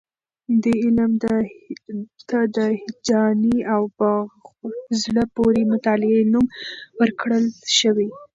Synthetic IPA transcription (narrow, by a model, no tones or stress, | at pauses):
d̪əɪlmd̪ | t̪ad̪əhɪd͡ʒɑniawpə | zləpoɾemʊt̪ɑlɪenumwəɾkɽəlʃəwi